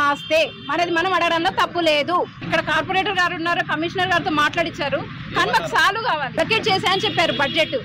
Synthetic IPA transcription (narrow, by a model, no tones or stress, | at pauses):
aːst̪e̞ːmɐɾeɐd̪imɐnɐmɐɽɐɡɐɽɐnlaːt̪ɐpːule̞ːd̪u | ikːɐɽɐkaːɾpoɾeːʈɐɾɡaːɾunːaːɾoːkɐmiʂɐnɐɾɡaːɾit̪o̞ːmaːʈlaːɽit͡ʃːaːɾu | kaːnimaːkɐsaːlːukaːʋaːliɐkːeʈ̚t͡ʃɛːsaːɐnit͡ʃɛpːaːɾubɐd͡ʒd͡ʒeʈːu